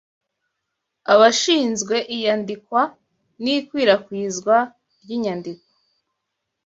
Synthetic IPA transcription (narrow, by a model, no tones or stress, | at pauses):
aβaʃiːnzɡwe̞ʔijandikwa | nikwiːɾakwiːzɡwa | ɾɟiːɲandikwo̥